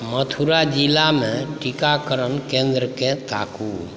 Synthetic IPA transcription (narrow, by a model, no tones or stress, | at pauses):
mət̪ʰuɾad͡ʒilamẽʈikakəɾənkẽnd̪ɾəkẽt̪a̰ku